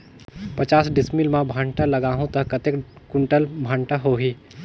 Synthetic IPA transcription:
pɐt͡ʃaːsɖɪsmilmãbʱãːɳʈalɐɡaːɦõt̪ɐkːɐt̪ekkʊɳʈəlbʱaːɳʈaɦoːɦiː

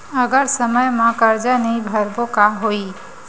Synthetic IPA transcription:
əɡəɾsəməjmãkəɾd͡ʒanəĩbʱəɾbokaɦoi

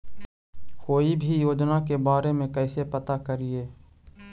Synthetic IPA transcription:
koːibʱijoːd͡ʒnakebaːɾemẽkɛːsepɐt̪akəɾieː

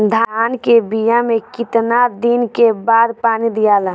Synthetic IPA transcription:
d̪ʱankebijamekɪt̪nad̪inkebaːd̪paːnid̪ijala

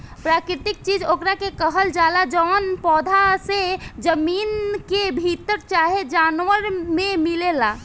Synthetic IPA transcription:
pɾaːkɾɪt̪ɪk̚t͡ʃiːd͡ʒoːkɾakekəɦəld͡ʒaːlad͡ʒɔːnpɔːd̪ʱased͡ʒəmiːnkebʱit̪əɾt͡ʃaːɦed͡ʒaːnʋəɾmẽmilelaː

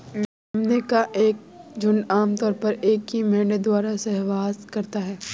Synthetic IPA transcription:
ɐmnekaʔeːk̚d͡ʒʊnaːmt̪ɔːɾpɐɾeːkɦimɛːɳed̪waːɾasɛɦʋaːskɐɾt̪aɦɛː

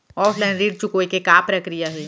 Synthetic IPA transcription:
ɔːfʰlaɪ̃nɾiːɖt͡ʃʊkoikekaːpɾɐkɾijaɦuiː

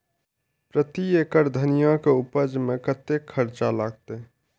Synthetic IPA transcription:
pɾət̪ieːkəɾd̪ʱənijãkeupəd͡ʒmẽkət̪ekʰːəɾt͡ʃalaːɡ̚t̪e

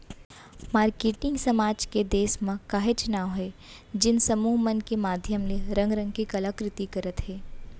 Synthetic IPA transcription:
maːɾkeːʈɪ̃ŋɡsɐmaːd͡ʒked̪eːsmãkaːɦet͡ʃʊnaːʋɦɛː | d͡ʒɪnsɐmuːɦmɐnkemaːd̪ʱjəmleɾɐ̃ŋɡɾə̃ŋɡkikɐlakɾɪt̪ikɐɾət̪ɦɛː

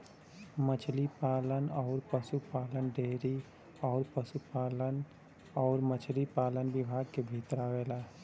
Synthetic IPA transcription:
mət͡ʃʰlipaːlənɔːɾpəsupaːlənɖʱeːɾi | ɔːɾpəsupaːlən | ɔːɾmət͡ʃʰlipaːlənbɪbʱaːɡ̚kebʱiːt̪ɾaʋeːlaː

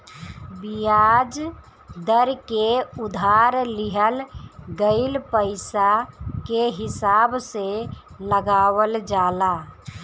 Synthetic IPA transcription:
bijaːd͡ʒ | d̪əɾkeʊd̪ʱaːɾlɪɦəlɡəɪlpəɪsakeɦɪsaːbse | ləɡaːwəld͡ʒaːlaː

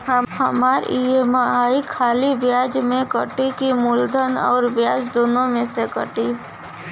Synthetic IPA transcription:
ɦəɦəmaːɾiemaaːikʰaːlibjaːd͡ʒmẽkəʈikimʊld̪ʱənɔ̰ːɾʋjaːd͡ʒd̪oːnõmẽsekəʈi

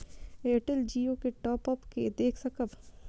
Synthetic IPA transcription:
eːʈəld͡ʒiːokeʈɔːpəpked̪eːkʰsɐkəb

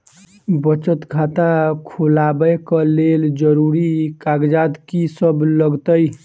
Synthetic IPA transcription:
bət͡ʃət̪ɡʱat̪akʰulabəkəleld͡ʒəɾuɾikaɡd͡ʒad̪kisəbləɡt̪əj

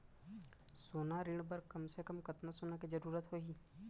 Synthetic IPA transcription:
soːnaɾɪɽ̃bɐɾkɐmsekɐmkɐt̪nasoːnakid͡ʒɐɾuːɾət̪ɦoiː

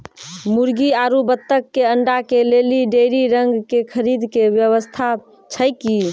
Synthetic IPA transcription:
muɾɡiaɾubət̪ːəkːeəɳɖakeleliɖeɾiɾəŋɡkekʰəɾid̪kebjəβəst̪ʰa | t͡ʃʰəjki

